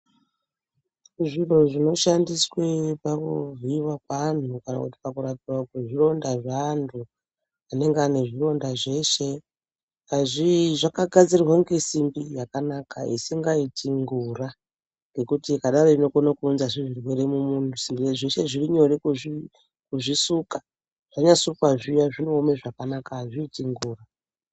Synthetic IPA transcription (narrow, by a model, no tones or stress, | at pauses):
ʐir̤oʐino̞ʃandiswepakuviwakan̤ukana̰kuti̥pakuratirwakeʐiro̞ndaʐantʰu | ane̞ŋɡeane̞ʐiro̞ndaʐe̞ʃe̞ | aʐiʐakaɡʱad͡zirrwaŋɡe̞simbijakanakaḛsiŋɡaitʰiŋɡura | ŋɡe̞kutikaɗaɾoino̞konakuːnzaʐiʐirwe̞ɾe̞mumuntʰusimbieʐeʃe̞ʐiriɲo̞rekui | kuʐisuka | ʐ̥aɲasukwaʐiujaʐinoomeʐakanakaːʐiːtiŋɡuːra